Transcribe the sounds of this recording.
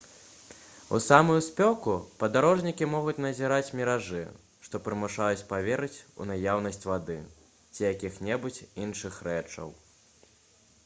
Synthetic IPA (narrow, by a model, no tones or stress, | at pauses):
ṵsamujuspʲɔkupɐd̪aɾɔʐnʲikʲimɔɣut͡sʲnɐzʲiɾat͡sʲmʲiɾaʐɨ̰ | ʂt̪ɔpɾɨmuʂajut͡sʲpavʲɛɾɨt͡sʲṵnajawnɐsʲt͡sʲvad̪ɨ | t͡sʲijakʲixnʲɛbut͡sʲinʂɨxɾɛt͡ʂɐ̰w